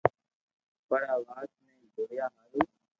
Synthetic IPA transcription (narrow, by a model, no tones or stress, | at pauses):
pəɽaːʋaːsnẽːd͡ʒoːjaːɦaːluː